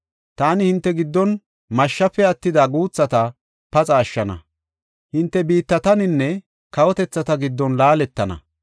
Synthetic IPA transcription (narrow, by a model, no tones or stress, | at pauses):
t̪aːnɪhɪnt̪ːɛɡɪd̪ːɔn | mɐʃːɐpːɛɐt̪ːɪd̪ɐɡuːt͡sːɐt̪ɐ | pɐt͡sʼɐːʃːɐnɐ̰ | hɪnt̪ːɛbiːt̪ːɐt̪ɐnɪnːɛ | kɐwɔt̪ɛt͡sːɐt̪ɐɡɪd̪ːɔnlaːlɛt̪ːɐnɐ̰